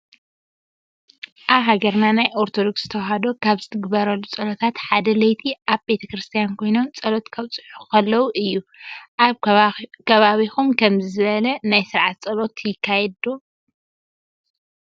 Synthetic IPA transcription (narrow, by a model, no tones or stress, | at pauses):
ʔaβɦaɡɐɾnanajʔoɾt̪ʰod̪o̞ksz̥ɨt̪ʰɐwɦad̪o̞kʰaβzɨt̪ʰɨɡbɐɾɐlːut͡sʼɐlot̪ʰat̪ħad̪ɐlɐjt̪ʰiʔaβbe̞t̪ʰɐkɾɨst̪ʰijankʰo̞jno̞nt͡sʼɐlo̞t̪kʰɐβt͡sʼɨħukɐlːɐwuʔɨjːuʔaβkʰɐβaβixumkʰɐmzɨzɨβɐlɐnajsɨɾʕat̪t͡sʼɐlo̞t̪jɪkʰːajɛd̪o